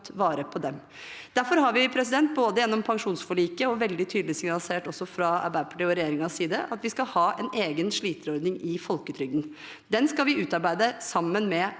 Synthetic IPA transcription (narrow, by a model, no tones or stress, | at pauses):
t̪ʋɑːɾəpʰɔd̪ɛm | d̪æɾfɔɾhɑɾʋɪpʰɾɛs̬ɪd̪ɛnt̪̚boːd̪əjɛnːɔmpʰɑŋʂuːnsfɔɭiːkəɔʋɛld̪ɪt̪ʰyːd̪lɪsɪŋnɑlseːʈɔsːɔfɾɑɑ̰bæpʰʈɪɔɾɛjeːɾɪŋɑsiːd̪əʔɑt̪ʋɪskɑhɑːʔɛneːɡənʂɭiːt̪əɾɔɾd̪nɪŋɪfɔlkət̪ʰɾʏɡən | d̪ɛnskɑlʋɪʉːt̪ɑɾbæɪd̪əsɑmːənmɛ